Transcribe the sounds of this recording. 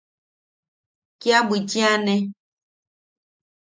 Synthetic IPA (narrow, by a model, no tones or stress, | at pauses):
kjabwit͡ʃĩanɛ̃